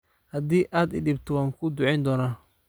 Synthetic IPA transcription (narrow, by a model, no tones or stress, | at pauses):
hɐd̪iːʔaːd̪ɪ̰dɪbt̪ʰɔwaːŋkʰʊd̪ʊʕɛjnd̪ɔːnaː